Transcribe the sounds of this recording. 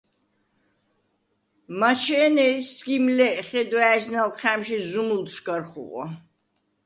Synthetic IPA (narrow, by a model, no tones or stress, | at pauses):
mat͡ʃʰɛːnɛskʼimlɛʔχɛd̪wæɛsnalqʰæmʃizumult̪ʰʃkaɾχṵqʼɔ̰